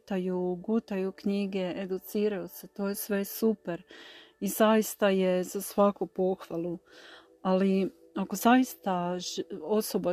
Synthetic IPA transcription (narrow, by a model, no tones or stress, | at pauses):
t̪ajuɡut̪ajukɲiɡe̞ed̪ut̪siːɾajuse̞t̪o̞ːje̞sʋe̞supeɾ | izajist̪aje̞zasʋakupo̞xʋalˠu | ali | ako̞zajist̪a | o̞so̞ba